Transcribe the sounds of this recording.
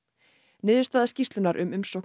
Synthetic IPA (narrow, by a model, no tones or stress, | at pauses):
nɪːðʏ̥ɾst̪aːðascist̪lʏnaɾʔʏ̰mʏmsɔwk